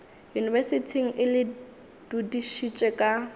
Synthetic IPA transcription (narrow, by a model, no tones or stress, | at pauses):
junivɛsitʰiŋ̩ʔɪlɪ | dudiʃit͡ʃʼɛkʼa